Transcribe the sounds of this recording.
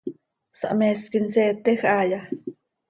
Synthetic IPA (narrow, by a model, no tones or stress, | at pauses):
sa̰ʔmeskinseːt̪exaja